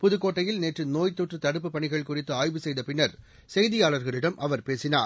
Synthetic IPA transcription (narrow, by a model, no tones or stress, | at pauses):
pʊðɯkːoːʈːɐjɪlneːʈrɯnoːjt̪ːoːʈrɯt̪ɐɽɯp̬ːɯpːɐɳɪɣɐɭkʊrɪt̪ːɯaːjʋɯsɛjðɐpɪnːɐɾ | sɛjðɪjaːɭɐɾɣɐɭɪɽɐmʔɐʋɐɾpeːsɪnaːɾ